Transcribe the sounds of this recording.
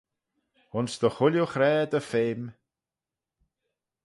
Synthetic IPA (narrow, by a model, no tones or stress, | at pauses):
hʊnsd̪əxʊljuxɾɛːd̪əfeːm